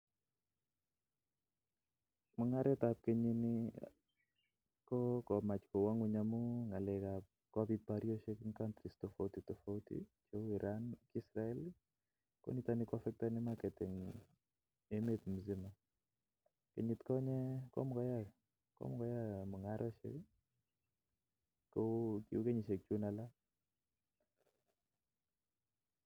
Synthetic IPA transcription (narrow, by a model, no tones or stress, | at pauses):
mɔŋaɾɛtap̚keɲini | kɔkɔmat͡ʃkɔwaŋwuɲamuŋalɛkap | kabit̚paɾioʃekiŋkantɾistofotitɔfoutḭt͡ʃoiɾʔankisɾaɛl | kɔ̰nit̪anikwafɛk̚tanimakɛtɪŋ | emet̪muzima | keɲit̪kɔɲɛkɔ̰mkɔja | kɔ̰mkɔjamuŋaɾʔɔʃḛk | kokḭukeɲiʃek̚t͡ʃunala